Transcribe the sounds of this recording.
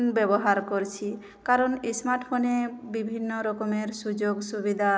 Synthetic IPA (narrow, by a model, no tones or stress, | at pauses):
nbɛbɔɦaɾkoɾt͡ʃʰi | kaɾɔnesmaɾʈpʰonebibʱinːɔɾɔkɔmeɾsud͡ʒoɡsubid̪ʱa